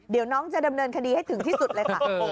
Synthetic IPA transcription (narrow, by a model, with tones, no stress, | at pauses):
di˩˦wnɔː˦˥ŋt͡ɕa˨˩da˧mnɤː˧nkʰa˧diː˧ha˥˩jt̪ʰɯ˩˦ŋt̪ʰiː˥˩su˨˩t̪̚ləː˧jkkʰa˥˩